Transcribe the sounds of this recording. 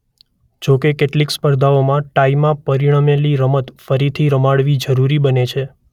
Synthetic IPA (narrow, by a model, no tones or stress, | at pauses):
d͡ʒokekeʈlikspəɾd̪ʱaomãʈaimãpəɾiɽ̃əmeliɾəmət̪fəɾit̪ʰiɾəmaɽʋid͡ʒəɾuɾibənet͡ʃʰe